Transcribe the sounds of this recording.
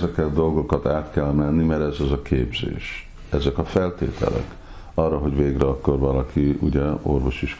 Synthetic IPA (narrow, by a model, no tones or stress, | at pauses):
zɛkɛt̪d̪o̞lɡo̞kɒt̪aːt̪kɛlmɛnːimɛɾɛzɛzɒkeːbzḛːʃ | ɛzɛkɒfɛlt̪ḛːt̪ʰɛ̰lɛ̰k | ɒrːɒɦo̞ɟveːɡrɛɒkːo̞rvɒlɒkiṵɟɛo̞̰rvo̞ʃiʃ